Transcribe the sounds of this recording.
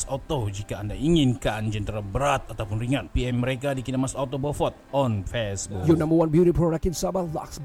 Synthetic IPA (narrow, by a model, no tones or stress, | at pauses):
sot̪od͡ʒikaːndaiŋɪnkand͡ʒənt̪əɾabəɾat̪̚at̪awpʊnriŋat̪̚piɛmːəɾekadikinamasat̪obəfɔt̪̚ɔnfɛsbujunãmbəwãnbjuɾipɾoɾak̚tinsabala̰ks